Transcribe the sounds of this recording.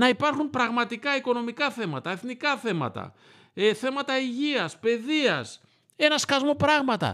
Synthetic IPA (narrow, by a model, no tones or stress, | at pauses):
nɐipɐɾxumpɾɐɣmɐt̪ikɐiko̞no̞mikɐθe̞mɐt̪ɐe̞θnikɐθe̞mɐ̰t̪ɐ̰ | eθe̞mɐt̪ɐiʝiɐspe̞ðiɐs | e̞nɐskɐzmo̞pɾɐɣmɐt̪ɐ̰